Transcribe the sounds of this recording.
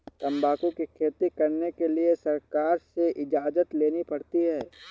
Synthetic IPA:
t̪ɐ̃mbaːkũkikʰeːt̪ikɐɾnekeliesɐɾkaːɾseʔɪd͡ʒaːd͡ʒət̪leːnipɐɽt̪iɦɛː

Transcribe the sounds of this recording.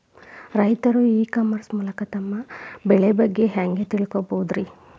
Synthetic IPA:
ɾɐjt̪ɐɾuiːkaːmːɐɾsmuːlɐkɐt̪ɐmːɐbɛɭebɐɡːe̞ɦaːŋɡe̞t̪iɭikobowud̪ɾi

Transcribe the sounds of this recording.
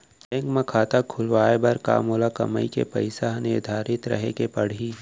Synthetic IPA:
ʈɛ̃ːŋkmɐ̃kʰaːt̪akʰʊlʋaːebɐɾka̰ːmolakɐ̰məikepɐ̰ɪsaɦnɪɾd̪ʱaːɾɪt̪ɾɐ̰ɦekepɐɽ̤iː

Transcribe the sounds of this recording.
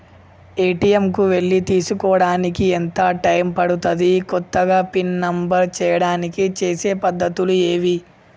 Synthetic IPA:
eːʈijemkuʋe̞ɭːit̪iːsukɔːɽaːnikient̪ɐʈɐjmpɐɽut̪ɐd̪ikɔt̪ːɐɡaːpinnɐmbɐɾt͡ʃɛːjɐɽaːnikit͡ʃe̞ːseːpɐd̪ːɐt̪ulue̞ːʋi

